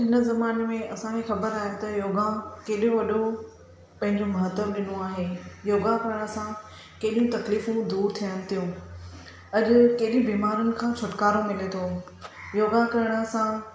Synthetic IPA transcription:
ɦɪnə̆zɐmaːnemẽɐsãkexɐbəɾaːɦet̪ɐjoːɡãkeːɗjõʋɐɗo | pɐ̃ɦɪ̃ɲd͡ʑomɐɦət̪əmɗɪnoaːɦeːjoːɡakɐɾɪɽ̃ə̆sã | keːɗijũt̪ɐkliːfũd̪uːɾt̪ʰijəñɪ̆t̪ʰijũ | ɐʄʊkeːɗĩbiːmaːɾənɪ̆kʰãːt͡ɕʰʊʈkaːɾomɪlet̪ʰo | joːɡakɐɾɪɽ̃ə̆sã

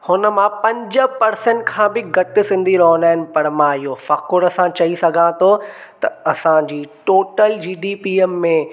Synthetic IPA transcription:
hʊnə̆mãpɐ̃ɲd͡ʑə̆pɐɾsə̃ɳʈkʰãːbɪɡɐʈɪ̆sɪ̃nd̪ʱiɾɐɦʊnaːɦɪnɪ̆pɐɽmãɪɦofɐkʊɾɐsãt͡ɕɐisɐɡʱãt̪ʰot̪ɐɐsãd͡ʑiːʈoːʈəld͡ʑiːɖipiəmːẽ

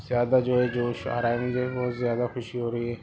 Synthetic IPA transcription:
zjaːd̪ad͡ʒoːɦɛd͡ʒoːʃa̰ɾaːnid͡ʒoɛbɔɦːt̪zjaːd̪axʊʃiɦoːɾəiɦɛː

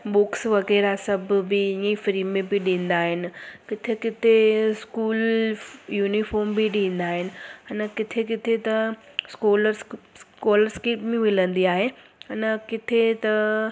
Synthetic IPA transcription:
ɓʊksʋɐɣɛːɾasɐbʱbɪɪ̃ifɾiːmẽbɪɗĩːnd̪aːɦɪnɪ̆kɪt̪ʰekɪt̪ʰeskuːl | juːnifɔːɾmbɪɗĩːnd̪aːɦɪnɪ̆ɪnəkɪt̪ʰek̬ɪt̪ʰet̪ɐ | skoːləɾskoːləɾskeːpmẽʋɪlə̃nd̪iaːɦe | ɐnəkɪt̪ʰet̪ɐ

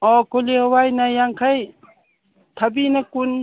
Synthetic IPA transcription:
ɔkolihɔwajnajaŋkʰaj | t̪ʰabinɐkun

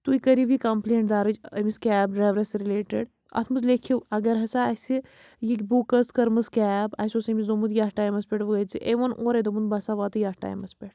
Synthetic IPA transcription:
t̪uikɐɾiʋikɐmpleːɳʈ̚d̪aːɾɨd͡ʒɐmiskʲɛːbɾeʋɾɐsɾileːʈeɖ | ɐ̰t̪ʰmɨsz̬lekʰiwɐɡɐɾɦɐsaɐsi | jikʲbukɐskɐɾmɨskʲɛːbɐ̰sosɐmizomut̪jaːhʈaːjmɐspʲeʈʋɐɡɐt͡siʔeʋɐnʔoːɾɐd̪ɐmunbɐsaʋaːt̪ɨjaːhʈa̰jmɐspʲeʈ̚

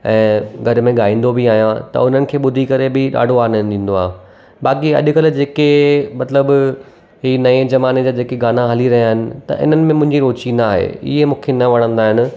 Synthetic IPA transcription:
ɛ̃ːɡʱɐɾmẽɠaːĩːnd̪obʱiaːɦijãt̪ɐ̰ʊn̤ənɪ̆kʰeːɓʊd̪ʱikɐɾebɪɗa̰ːɖʱoaːnd̪ĩːnd̪oaːɦ | baːkiɐ̰ʄʊ̆kəld͡ʑeːkemɐt̪ləb | ɦinɐed͡ʑɐmaːned͡ʑaːd͡ʑeːkeɡaːnaɦɐliɾɐɦijaːɦɪnɪ̆t̪ɐ̰ʔɪ̰n̤ənɪ̆mẽmʊ̃ɦɪ̃ɲd͡ʑiɾoːt͡ɕinaaːɦḛɪ̰ɦemũːkʰenɐʋɐɽ̃ə̃nd̪aːɦɪnɪ̆

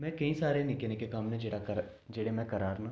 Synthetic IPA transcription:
mɛ̃kɐĩsaːɾenɪknekekaːmnẽd͡ʒeɽakɐ | d͡ʒeɽemɛ̃kɐɾaːɾna

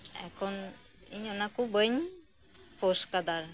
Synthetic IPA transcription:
ɛ̰kʰɔn | ḭɲɔnakubəɲ | poskad̪aɾ

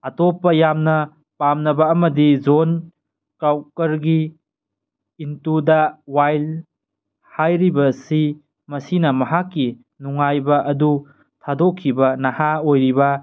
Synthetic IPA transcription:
ɐtopːɐjamnɐ | pamnɐbɐːmɐdid͡ʒon | kawkɐɾɡi | ntudɐwajl | hajɾibɐsi | mɐsinɐmɐɦakːi | nuŋajbɐʔɐdu | tʰadokʰːibɐnɐhaojɾibɐ

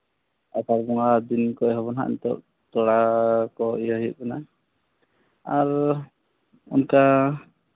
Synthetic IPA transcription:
at̪aɾbɔŋad̪inkɔɛɦɔβɔnɦa̰ʔnt̪ɔ̰ʔ | t̪ɔɽakɔijɔɦijṵʔ̚kana | aɾ | ɔ̰nka

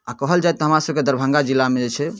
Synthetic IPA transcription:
akəɦəld͡ʒaɛjt̪ːɔɦəmɾasəb̚ked̪əɾbʱə̃ŋɡad͡ʒilːamed͡ʒet͡ʃʰɛ

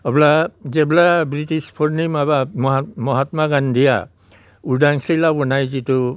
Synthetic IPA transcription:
ɔblazɛblabɹitispʰɔɹnimabamɔamɔɦatmaɡandija̰ | udaŋsilawɔnajzitu

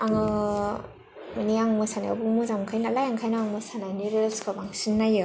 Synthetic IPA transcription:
aŋɯ | maniaŋmɯsanaa̰buŋmɯzamkʰajnaːlajaŋkʰajnaaŋmɯsananuɾelskʰɯbaŋsinːajɯ

